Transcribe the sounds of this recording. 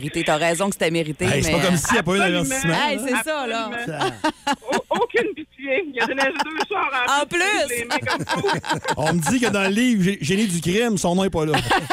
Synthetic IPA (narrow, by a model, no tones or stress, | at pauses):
ʁit̪et̪aʁɛːzɔ̃kst̪ɛmeʁit̪eɛseɛpɔkɔmsijapɔɛ̃d̪avɛʁsismãɛjsɛsʌlɔ̃ | okʲynpit͡sjejad̪enɛʒd̪øːʃɑːʁɑ̃ɑ̃plysmɔm | ɔ̃məd͡zzikəd̪ɑ̃ləliːvʒeʒenedzykʲʁɪmsɔ̃nɔ̃ɛpɔlɔ